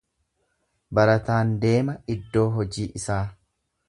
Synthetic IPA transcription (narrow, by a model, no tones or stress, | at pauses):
bɐɾɐt̪aːnd̪e̞ːmɐɪd̪ːo̞ːɦɔd͡ʒiːʔɪsaː